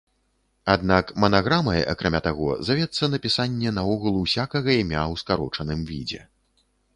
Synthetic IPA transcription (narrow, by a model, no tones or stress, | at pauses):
ad̪̚nakmɐnaɣɾamɐja̰kɾamʲat̪aɣɔ̰zavʲɛt̪sːɐnɐpʲisanʲːɛnɐɔɣulˠuwsʲakɐɣɐimʲawskaɾɔt͡ʂɐnɨmvʲḭd͡zʲɛ̰